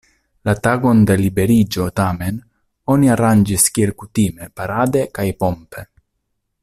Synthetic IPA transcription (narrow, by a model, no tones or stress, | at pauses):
lat̪aɡo̞nd̪e̞libe̞ɾid͡ʒo̞t̪ame̞n | o̞niaɾand͡ʒiskielkut̪ime̞paɾad̪e̞kajpo̞mpe